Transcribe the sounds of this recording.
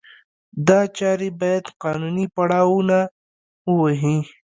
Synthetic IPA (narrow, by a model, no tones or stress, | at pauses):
d̪at͡ʃaːɾibajəd̪qaːnuːnipɐɽaːwuna | uwɐɦĩ